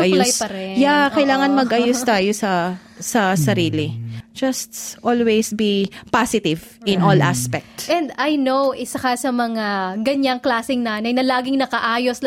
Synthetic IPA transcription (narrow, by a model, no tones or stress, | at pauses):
ɐjuljspɐɾɛjakɐjlaːŋɐnmɐɡʔɐjust̪aːjosɐ | sɐsɐɾiːlid͡ʒɐst̪ʔolwejsbipasɪt̪ɪvʔɪ̃nʔolʔa̰spɛk̚t̪ʔɛ̃nd̪ajnowʔɪsɐkɐsɐmɐŋaɡɐɲaŋklaːsɪŋnaːnɐjnɐlaːɡɪŋnɐkɐʔaːjos